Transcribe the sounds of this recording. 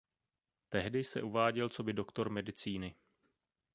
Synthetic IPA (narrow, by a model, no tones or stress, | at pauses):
t̪ɛɦdɪsɛʔuvaːɟɛlt͡so̞bɪdo̞kt̪o̞ɾmɛdɪt͡siːnɪ